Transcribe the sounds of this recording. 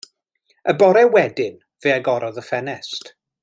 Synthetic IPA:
əbɔɾɛwɛdɪn | v̥eːaɡɔɾɔðəfɛnɛst

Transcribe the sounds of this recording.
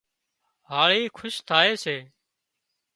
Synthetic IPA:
ɦaːɭiːkʰʊʃt̪ʰaːeːseː

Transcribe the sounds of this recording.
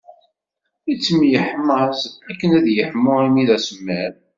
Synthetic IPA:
it͡sːəmjəħməzækːənæðjəħmːʊimiðæsəmːæɾ

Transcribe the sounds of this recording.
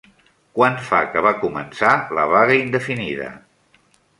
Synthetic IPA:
kwanfakəβ̞akumənsaləβaɣəind̪əfiniðə̰

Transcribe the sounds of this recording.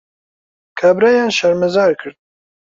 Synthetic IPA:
kʰabɾajaːnʃɐɾmɛzaːɾkʰɨɾd̪̚

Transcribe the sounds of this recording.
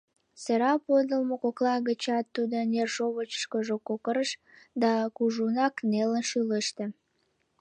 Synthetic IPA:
seɾɑpod̪əlmokoklɑɣət͡ɕɑt̪ːud̪onerʒoβət͡ɕə̥ʃkoʒokokəɾəʃ | d̪ɑkuʒunɑknelənʃyləʃt̪ĕ

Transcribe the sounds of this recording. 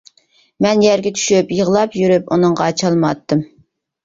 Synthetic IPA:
mɛnjɛɾɡʲɛt͡ʃ̪ʰy̥ʃypjəʁlˠɑpjyɾypunɨŋʁɑt͡ʃʰɑlˠmɑt̪ːɨm

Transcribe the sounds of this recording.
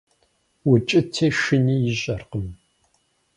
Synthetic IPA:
wʊt͡ʃʼɪtʰeːʃɨniːjɪʑʼɐrqəm

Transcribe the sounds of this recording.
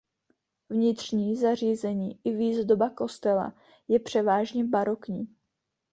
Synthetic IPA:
vɲɪt̪r̝̥ɲiːzar̝iːzɛɲiːʔɪviːzd̪o̞bako̞st̪ɛla̰ | jɛpr̝̥ɛvaːʒɲɛbaɾokɲiː

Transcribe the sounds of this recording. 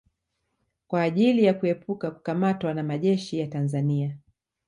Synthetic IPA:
kwaːʄilijakuɛpukaku̥kamatwanamaʄɛʃijatanzania

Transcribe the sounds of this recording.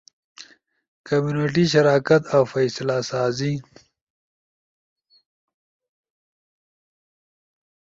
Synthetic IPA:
kamjuneʈ̬iʃ̬aɾaːkat̪awfɐjslasaːzi

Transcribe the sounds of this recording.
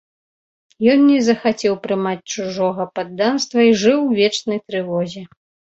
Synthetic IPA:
jɔnːʲɛzɐxat͡sʲɛwpɾɨmat͡sʲt͡ʂuʐɔɣɐpad̪ːanst̪vɐiʐɨwvʲɛt͡ʂnɐjt̪ɾɨvɔzʲɛ

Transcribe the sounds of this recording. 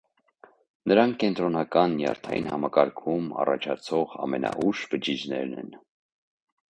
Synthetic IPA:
nəɾɑŋkʰkɛnt̪ɾɔnɑkɑnːjɑ̰ɾt̪ʰɑjḭnhɑmɑkɑɾkʰumɑrɑt͡ʃʰɑt͡sʰɔʁɑmɛnɑ̰ʔuʃbəd͡ʒid͡ʒnɛ̰ɾnɛ̰n

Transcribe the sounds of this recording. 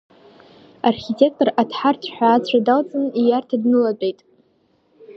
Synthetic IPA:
arχʲitʰe̞k̚tʼoratʰħartʰħʷᶣaːt͡ɕʷʰadalt͡sʼɨnijartʰadnɨlabʼejtʼ

